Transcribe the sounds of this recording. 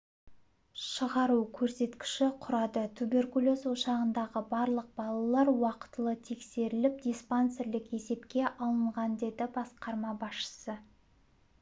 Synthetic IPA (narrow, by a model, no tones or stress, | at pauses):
ʃəʁɑɾukʲʰɵɾse̞t̪kʲɪ̥ʃɪqʰʊɾɑd̪ət̪ʰube̞rkulʲˠoswoʃɑʁənd̪ɑʁəbɑɾlˠəq̚bɑlˠɑlˠɑɾwɑqə̥t̪əlˠət̪ʰe̞kse̞ɾɪlɪp̚d̪ʲijspanseɾlɪke̞se̞pkʲe̞ʔɑlˠəɴʁɑnd̪e̞d̪ɪbɑsqɑɾmɑbɑsʃə̥sə